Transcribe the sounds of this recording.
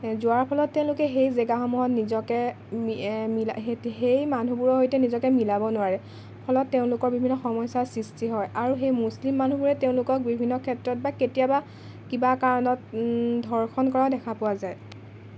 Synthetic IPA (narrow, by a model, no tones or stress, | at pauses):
zʊaɹpʰɔlɔtːeʊ̃lʊkɛxejzeɡaxɔmuɦɔtnizɔkɛ | milaɦejmanubuɹɔɦojtɛnizɔkɛmilabɔnʊwaɹɛ | pʰɔlɔtːeʊ̃lʊkɔɹbibʱinːɔxɔmɔjsasɹistiɦɔjaɹuxejmuslimːan̤ubuɹɛteʊ̃lʊkɔk̚bibʱinːɔkʰɛtɹɔt̚baketijaba | kibakaɹɔnɔtdʱɔɹxʰɔnkɔɹaʊdɛkʰapʊwazaj